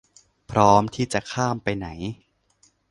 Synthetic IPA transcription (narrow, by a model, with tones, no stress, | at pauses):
pʰɾɔː˦˥mt̪ʰiː˥˩t͡ɕa˨˩kʰaː˥˩mpa˧jna˩˦j